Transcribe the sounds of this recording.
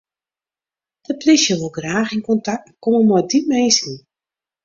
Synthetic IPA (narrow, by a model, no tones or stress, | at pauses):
d̥əplɪʃjəʋolˠɡraːxɪnkɔntak̚tkoməmɔjdipmejsi